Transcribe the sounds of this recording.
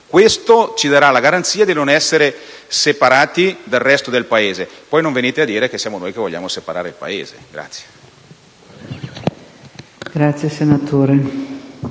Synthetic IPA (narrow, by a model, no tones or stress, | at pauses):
kwest̪ot͡ʃid̪aɾalaɡaɾant̪siːad̪inonɛsːeɾesepaɾaːt̪id̪alrɛst̪od̪elpaeːzepɔjnoɱveniːt̪ead̪ːiːɾek̟esːjaːmonoːjk̟evoʎːa̰ːmosepaɾaːɾeilpa̰eːzḛɡ̥ɾa̰t̪sje̥ | ɡ̥ɾat̪sːjesenat̪oːɾe